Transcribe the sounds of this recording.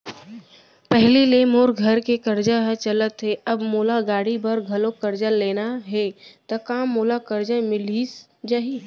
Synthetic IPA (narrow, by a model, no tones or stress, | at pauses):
pɛɦlilemoːɾɡʱɐɾkekɐɾd͡ʒaɦt͡ʃələt̪ɦeɐbmoːlaɡaːɽibɐɾɡʱɐlokəɾd͡ʒəleːnaɦɛt̪ɐkaːmːoːlakəɾd͡ʒamɪlis | d͡ʒaɦi